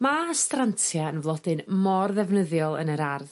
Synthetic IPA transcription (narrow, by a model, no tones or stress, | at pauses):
mastrantʰjaənvlˠɔdɨnmɔrðɛvnəðjɔlˠə̰nəɾarð